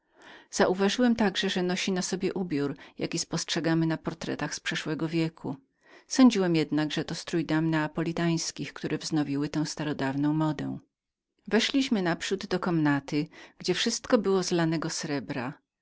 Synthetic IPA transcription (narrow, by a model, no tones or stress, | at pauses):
z̥aʔuvaʐɘwɛmt̪aɡʐɛʐɛnɔɕinasɔbʲjɛʔubʲjuɾja̰kʲispɔstʂɛɡamɘnapɔɾt̪ɾɛ̰t̪axspʂɛʂwɛɡɔvʲjɛkʰṵ | sɔɲd͡ʑiwɛmjɛd̪naɡʐɛt̪ɔst̪ɾujd̪amnɛapɔlʲit̪aj̃skʲixkt̪uɾɛvznɔvʲiwɘt̪ɛ̃w̃st̪aɾɔd̪avnɔ̃w̃mɔd̪ɛ̰̃w̃ | vɛʂlʲiɕmɘnapʂud̪ːɔkɔmnat̪ɘɡd͡ʑɛfʂɘst̪kɔbɘwɔzlanɛɡɔsɾɛbɾa